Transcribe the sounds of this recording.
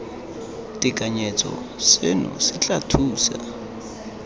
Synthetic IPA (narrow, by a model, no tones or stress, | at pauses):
tʼɪkʼaɲɛt͡sʼɔ̰ | sɪnʊ̰sɪt͡ɬʼatʰuːsa̰